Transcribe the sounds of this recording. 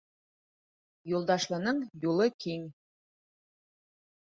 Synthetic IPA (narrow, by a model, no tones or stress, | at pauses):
julˠd̪ɑʃlˠɤ̆nɤɴjulˠɤkiŋ